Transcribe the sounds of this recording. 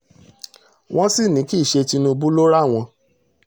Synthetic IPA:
w̃ɔ̃˦si˦˨nĩ˨˦ki˦˨ʃe˧ti˧nũ˧bu˦lo˦ɾa˦˨w̃ɔ̃˧

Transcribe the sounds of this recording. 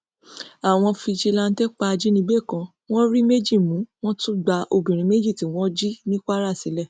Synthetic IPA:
a˨w̃ɔ̃˧fi˧d͡ʒi˧la˦˧n̩˦te˦k͡pa˧d͡ʒi˦nĩ˧˦be˦˨kã˧ | w̃ɔ̃˦ɾi˦me˦d͡ʒi˦˨mũ˨˦w̃ɔ̃˦tũ˦ɡ͡ba˧o˧bĩ˨ɾ̃ĩ˨˦me˦d͡ʒi˦˨tĩ˨˦w̃ɔ̃˦d͡ʒi˦nĩ˦ka˦ɾa˦˨si˨˦lɛ˦˨

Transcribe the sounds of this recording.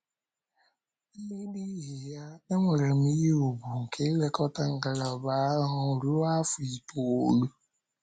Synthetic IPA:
ni˦di˦ɦi˨ja˦nɪ˦ŋʷe˨ɾe˨m̩˦i˦ɦi˦u˨bu˨ŋ̩˨kʰe˦le˦kɔ˦ta˦ŋ̩˨ɡa˨la˨ɔ˨ba˦ɦʊ˨ɾu˦a˦fʊ˨i˨to˨o˨lu˦

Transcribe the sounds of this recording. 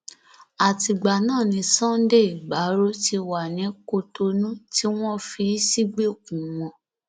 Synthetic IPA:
a˨ti˧ɡ͡ba˨nãː˦˨nĩ˧sã˦n˦de˦˨ɡ͡ba˨˦ɾo˦ti˧wa˨nĩ˨˦ko˧to˧nũ˦ti˦w̃ɔ̃˦fi˧˦si˦ɡ͡be˦o˨kũ˨w̃ɔ̃˧˨

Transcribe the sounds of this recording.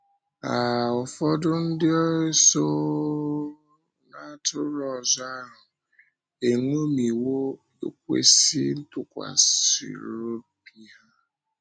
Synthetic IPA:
a˨ʊ˨fɔ˦dʊ˦n̩˦dɪ˦ɔ˦ɾɪ˦so˦ | na˦˨tʰʊ˦ɾɔ˨zɔ˦a˦ɦʊ˨ | e˨ŋʷo˦mi˨wo˦ | ḛ˨k̚ʷḛ˦si˦n̩˦tʊ˨kʷa̰˨sḭ˨ɾo˦pi˦ɦa˦

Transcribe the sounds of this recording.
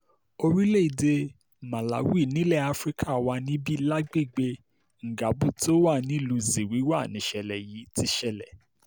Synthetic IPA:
o˧ɾi˦le˦˨i˨de˧ | mã˨la̰˨˦wi˦˨nĩ˨˦lɛ˦˨a˦fɾi˦kʰa˦˨wa˧nĩ˦bi˦la˦ɡ͡be˦˨ɡ͡be˧ | ŋ̩˨ɡa˨˦bu˦˨ti˦o˦wa˦˨nĩ˦i˦˨lu˧zi˨wi˨˦wa˦˨nĩ˨ʃɛ˨lɛ˨ji˨˦ti˧ʃɛ˨lɛ˨

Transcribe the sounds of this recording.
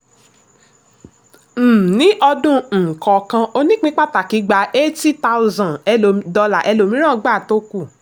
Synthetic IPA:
m̩˨nĩ˦ʔɔ˧dũ˧n̩˨kɔ˨kã˧o˧nĩ˦k͡pĩ˦k͡pa˦ta˨ki˨˦ɡ͡ba˨˦ʔe˦ti˦ta˦u˧zã˨ɛ˧lo˨m˦dɔ˧la̰˨ʔɛ˧lo˨mĩ˦ɾ̃ã˦˨˧ɡ͡ba˦˨to˧˦ku˦˨

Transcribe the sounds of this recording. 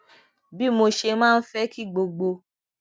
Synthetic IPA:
bi˦mo˧ʃe˧mãː˦˧n̩˦fɛ˦ki˦˨ɡ͡bo˧ɡ͡bo˧

